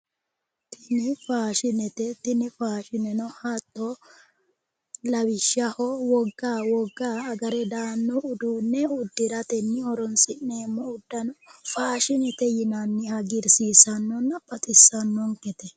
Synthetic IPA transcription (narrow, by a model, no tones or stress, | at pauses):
t̪ʰɪnɪfaːʃɪnɛt̪ɛt̪ɪnɪfaːʃɪnɛnɔhat̪ːɔ | lɐwɪʃːɐhɔwɔɡːaːwɔɡːaːɐɡɐɾɛd̪aːnːɔʊd̪uːnːɛʊd̪ːɪɾɐt̪ɛnːɪɔɾɔnsɪnne̞ːmːɔʊd̪ːɐnɔfaːʃɪnɛt̪ɛjɪnɐnːɪhɐɡɪɾsiːsɐnːɔnːɐpʼɐt̪ʼɪsːɐnːɔŋkɛt̪ɛ